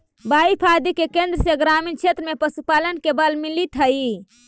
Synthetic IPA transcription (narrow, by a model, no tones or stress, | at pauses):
baipʰad̪ikekẽnd̪ɾəseɡɾamint͡ʃʰet̪ɾəmepəsupalənkebəlmilit̪ʰɦəi